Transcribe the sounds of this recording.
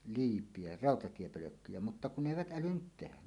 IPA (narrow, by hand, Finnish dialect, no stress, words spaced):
liːpˑie rɑˑotɑtiepøløkːyjæ mutːɑ kun ne eˑiʋæt ʔælynːyt tehæ